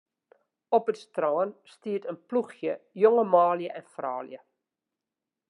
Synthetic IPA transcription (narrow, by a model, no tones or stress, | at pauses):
ɔpətstrɑːnstiːtənpluχjəjɔŋəmɑːliəʔɛnfrɑːlḭə